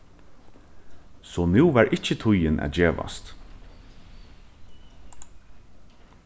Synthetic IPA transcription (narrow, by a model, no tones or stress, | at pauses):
sɔːnʉwʋæɹʔɪt͡ʃət̪ʰʊjɪnʔæ̰t̪d͡ʒeːʋa̰st̪